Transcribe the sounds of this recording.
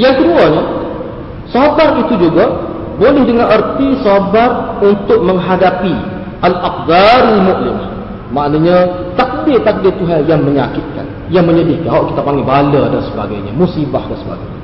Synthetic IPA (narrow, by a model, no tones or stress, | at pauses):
jaŋkəduaɲa | sabarit̪ud͡ʒuɡa | bolɪhdəŋanʔərt̪isabarunt̪ʊk̚mə̃ŋɦadapi | ʔalakd̪aɾalmuʔlɪ̰m | maʔnaɲãt̪ak̚dɪrt̪ak̚dɪrt̪uɦanjaŋməɲakɪt̪̚ka̰n | jaŋməɲədihkanɦaʔki̥t̪apaŋɡibalədansəba̰ɡa̰jɲa̰musibahdansəba̰ɡa̰jɲa